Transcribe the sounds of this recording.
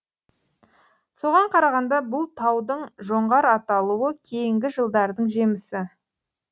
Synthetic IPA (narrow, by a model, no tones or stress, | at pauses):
so̞ʁɑɴqʰɑɾɑʁɑnd̪ɑbʊlˠt̪ʰɑwd̪əɴʒo̞ɴʁɑɾɑt̪ɑlˠuwəkʲʰe̞jɪŋɡʲɪʒəlˠd̪ɑɾd̪əɴʒe̞mɪsɪ